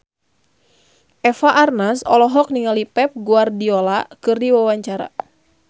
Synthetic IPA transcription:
ʔɛfaʔarnasɔ̰lɔɦɔk̚niŋalipɛp̚ɡuardiɔlakɨrdiwawaɲt͡ʃaɾa̰

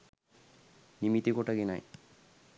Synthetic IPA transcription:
nimit̪ikoʈaɡina̰j

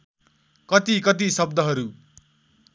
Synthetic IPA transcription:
kʌt̪ikʌt̪̬isʌb̚d̪ʌɦʌɾu

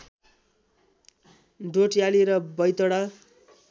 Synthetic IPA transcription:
ɖoʈjaliɾʌbʌjt̪oɽʌ

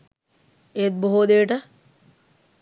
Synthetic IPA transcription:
et̪̚boɦod̪eːʈə

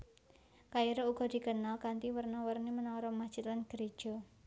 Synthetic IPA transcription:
kaiɾouɡ̥ɔ̤d̪̥i̤kənalkant̪iwərnawərnemənaɾɔmad̥ʒ̥i̤t̪̚lanɡ̥əɾed̥ʒ̥ɔ̤

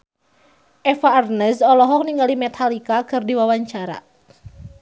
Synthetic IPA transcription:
ʔɛfaːrnəsɔlɔɦɔk̚niŋalimɛt̪ʰalikakɨrdiwawaɲt͡ʃaɾa̰

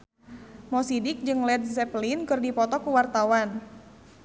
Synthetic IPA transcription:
mɔsidɪk̚d͡ʒɨŋlɛdsɛplinkɨrdipɔt̪ɔkuwart̪awan

